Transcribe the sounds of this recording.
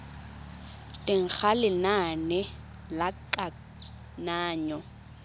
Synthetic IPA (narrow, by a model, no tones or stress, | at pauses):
tʼɪŋ̩k͡xʰalɪnanɛ | lakʼa | naːɲɔ